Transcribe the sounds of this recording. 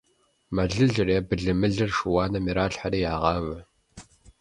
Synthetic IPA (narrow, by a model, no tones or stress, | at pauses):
mɐɮɨɮɨreːbɨɮɨmɨɮɨrʂuwaːnɐmiɾaːɬħariːjaːʁɑvɐ